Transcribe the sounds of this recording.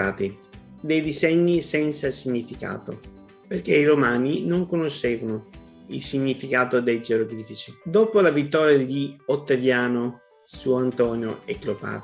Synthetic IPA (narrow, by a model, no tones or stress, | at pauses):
aːt̪i | d̪ejd̪izɛɲːisɛnt̪sasiɲːifika̰ːt̪o̰ | perkeiɾomaːninoŋkonoʃːeːvano | ilsiɲːifikaːt̪od̪ejd͡ʒeɾokɾiːfit͡ʃid̪oːpolavit̪ːɔːɾjad̪iot̪ːevjaːno | suoant̪ɔːnjoɛklopa̰